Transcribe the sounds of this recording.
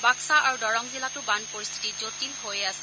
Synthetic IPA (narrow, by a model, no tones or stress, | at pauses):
baksaaɹudɔɹɔŋzilatʊbanpoɹist̪ʰi̥tizotilhojasɛ̥